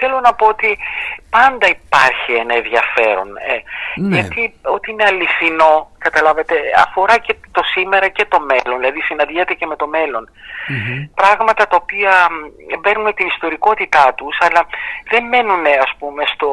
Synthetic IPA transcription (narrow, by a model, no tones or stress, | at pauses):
θe̞lo̞nɐpo̞ot̪ipɐnd̪ɐipɐɾçienɐẽðʝɐfe̞ɾo̞̰neʝɐt̪io̞t̪iineɐliθino̞kɐt̪ɐlɐvɐt̪e̞ɐ̰fo̞ɾɐcet̪o̞sime̞ɾɐce̞t̪o̞me̞lonðilɐðisinɐnðiɐt̪ece̞me̞t̪o̞me̞lo̞n | pɾɐɣmɐt̪ɐt̪ɐopiɐbe̞nunet̪inist̪o̞ɾiko̞t̪it̪ɐt̪usɐlɐðe̞mme̞nune̞ɐspume̞st̪o